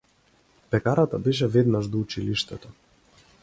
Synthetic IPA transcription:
pɛkaɾat̪abɛʃ̬ɛvɛd̪naʒd̪ɔut͡ʃiliʃt̪ɛt̪ɔ

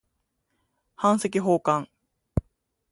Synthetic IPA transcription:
hãɰ̃se̞k̬ʲiɦo̞ːkãŋ

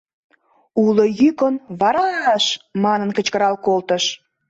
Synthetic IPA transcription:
ulojykənβɑɾɑʃmɑnənkə̆t͡ɕkəɾɑlkolt̪əʃ

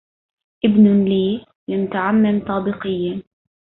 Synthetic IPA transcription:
ʔɪbnʊliː | lɪmʊt̪aʕamːɪmt̪ˤɑːbɪqɪjːa

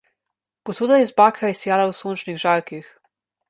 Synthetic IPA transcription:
pɔsuːd̪ajɛzbaːkʰaisjaːlawsont͡ʃniɣʒaɾkix

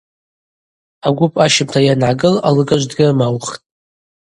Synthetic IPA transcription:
aɡʷʊpʼaʃɪmtʰajanʕaɡɨlalɨɡaʒʷdɡʲɪrmawχtʼ

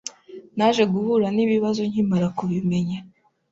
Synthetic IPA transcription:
naʒe̞ɡuβuɾaniːβiβazo̞ɲimaɾakuβime̞ɲa

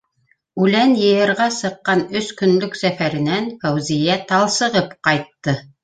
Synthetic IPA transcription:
ʉlænjɤ̆jɤ̆ɾʁɑsɤ̆qːɑnɵskɵ̆nlɵksæfæɾɘ̆nænfæwzijæt̪ɑlˠsɤ̆ʁɤpqɑjt̪ːɤ

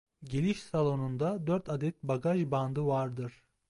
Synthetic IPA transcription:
ɟelʲiʃsalˠo̞nund̪ad̪øɾt̪ʰad̪ɛt̪̚baɡaʒband̪ɯvaɾd̪ɯɾ̥

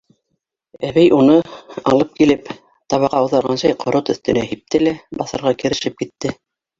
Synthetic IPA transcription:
æβæjʔunɤɑ̰lˠɤp̚kilɘp | t̪ɑβɑʁɑɤ̆ðɑɾʁɑnɕɑjqʰŏɾot̪ɵ̆θt̪ɵ̆næhip̚t̪ɘlæbɑθɤ̆ɾʁɑkɘ̆ɾɘ̆ʃɘp̚kit̪ːɘ

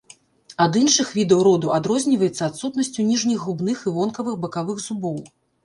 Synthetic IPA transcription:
ad̪inʂɨxvʲid̪ɐwɾɔd̪uʔad̪ɾɔzʲnʲivɐjɛt̪sːɐat̪sut̪nɐsʲt͡sʲunʲiʐnʲiɣːubn̪ɨxivɔnkɐvɨɣbɐkavɨɣzubɔw

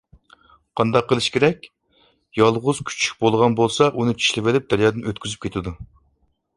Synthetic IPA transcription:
qʰɑnd̪ɑqːəlˠɨʃkʲʰeɾɛkʲ | jɑlˠʁʊz̥kʲʰy̥t͡ʃʰy̥k̚ʲbolˠʁɑnbolˠsɑʔunɨt͡ʃʰi̥ʃlɪvɪlɪp̚d̪æɾjɑːd̪ɨnøt̪̚kʲyzyp̚kʲʰet̪ʰɪd̪u

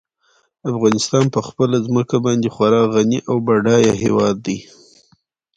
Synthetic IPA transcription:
afɣɑnɪst̪ɑnpəxpəlazməkabɑnd̪exwaɾɑɣaniʔawbaɖɑjaɦewɑd̪ːi

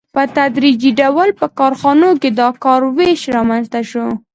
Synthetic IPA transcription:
pət̪ad̪ɾid͡ʒiɖawəlpəkɑɾxɑnoked̪ɑkɑɾweʃɾɑmanzt̪aʃo

